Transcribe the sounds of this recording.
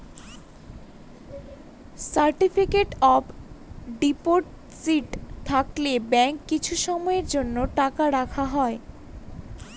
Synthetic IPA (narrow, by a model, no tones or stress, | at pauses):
saɾʈifʰikeʈɔbɖipoɾʈ | siʈt̪ʰaklebɛŋkːit͡ɕʰuʃɔmɔeɾd͡ʑonːoʈakaɾakʰaɦɔe